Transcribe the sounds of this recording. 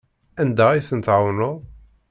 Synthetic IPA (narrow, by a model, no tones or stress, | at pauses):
ænd̪æiθənt̪ʕawnʊ